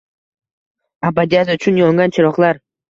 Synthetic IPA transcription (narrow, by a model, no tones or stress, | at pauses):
abad̪ijazʊt͡ʃʰʊnjɒŋɡʲant͡ʃʰɪɾɒqlˠaɾ